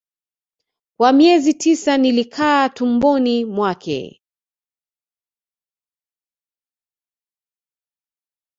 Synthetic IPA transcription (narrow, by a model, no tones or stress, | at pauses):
kwamiɛzitʰisanilikʰaːtumbɔnimwakʰɛ̰